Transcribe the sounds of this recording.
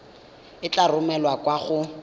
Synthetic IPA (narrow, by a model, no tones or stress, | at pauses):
ɪt͡ɬʼarʊmɛlwakwaχʊ